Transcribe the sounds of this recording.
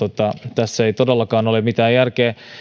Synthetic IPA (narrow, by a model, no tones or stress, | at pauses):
ot̪ːɑt̪æsːejt̪odelːɑkɑːnolemmit̪æːjjærkeː